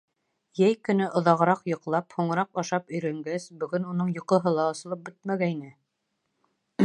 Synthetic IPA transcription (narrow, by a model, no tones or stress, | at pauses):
jæjkɵ̆nɘʔŏðɑʁɤ̆ɾɑqjɤ̆qlˠɑphuɴɤ̆ɾɑqɑʃɑpɵ̆jɾæŋɡæsbɵ̆ɡɵnunɤɴjŏqɤ̆ɦɤlˠɑ̆ːsɤ̆lˠɤp̚bɘt̪̚mæɡæinɘ